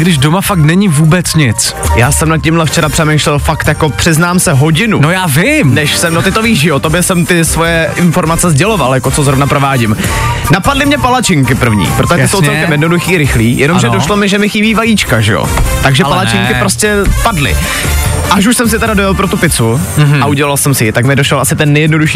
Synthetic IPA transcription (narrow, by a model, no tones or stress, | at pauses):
ɡdɪʒdomafak̚t̪nɛɲɪvuːbɛt͡sɲɪt͡s | jaːsɛmnat̪̚cɪmlɛft͡ʃɛɾapr̥ɛmejʃlɛlfakt̪jako̞pr̝̥ɪznaːmsɛɦo̞ɟɪnunojaːvɪmnɛʃsɛmdot̪ɪt̪oviːʒɪjot̪objɛsɛmt̪ɪsvojɛʔɪnfo̞ɾmat͡sɛzɟɛlovaljako̞t͡sozɾo̞vnapɾo̞vaːɟɪm | napadlɪmɲɛpalat͡ʃɪŋkɪpr̩vɲḭːpɾot̪oʒɛɪsowt͡sɛlkɛmjɛdno̞duxiːɾɪxliːjɛ̰nomʒɛdoʃlomɪʒɛmɪxɪbiːvajiːt͡ʃkaʒɛ̰jo̰t̪aɡʒɛpalat͡ʃɪŋkkɪpɾoscɛpadlɪ̰ | ʔaʃ̬uʃsɛms̬ɪt̪ɛɾadojalpɾot̪upɪt͡suaʔuɟɛlalsɛmsɪjɪt̪akmɪdoʃlɛlʔasɪt̪ɛnːɛjɛdnoduʃiː